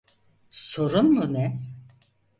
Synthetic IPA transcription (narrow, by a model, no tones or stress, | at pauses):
so̞ɾunmunɛ